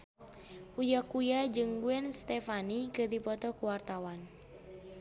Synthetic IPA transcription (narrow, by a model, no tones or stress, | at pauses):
ujakujad͡ʒɨŋɡuɛnst̪ɛfanikɨrdipɔt̪ɔkuwart̪awan